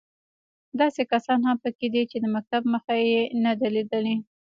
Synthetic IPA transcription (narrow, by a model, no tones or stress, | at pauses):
d̪ɑsekasɑnɦampəked̪it͡ʃed̪əmak̚t̪abməxajenad̪aled̪əle